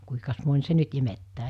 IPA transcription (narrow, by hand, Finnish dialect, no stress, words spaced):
kuikɑs monʲ se nyt imetːæː